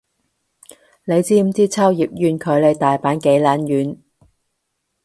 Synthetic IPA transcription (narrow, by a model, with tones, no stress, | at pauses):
ne˨˧jt͡siː˥m̩˨˥t͡siː˥t͡sʰaː˥wjiː˨p̚jyː˨˧nkʰɵ˨˧ɥle˨˧jt̪aː˨jpaː˨˥nke˨˥jlaː˨˥njyː˨˥n